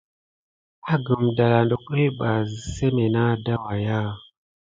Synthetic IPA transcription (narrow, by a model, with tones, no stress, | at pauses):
a˦ɡɨ˨mda˨la˨ndo˨ke˦ɓa˨se˦me˨na˦da˦wa˨ja˦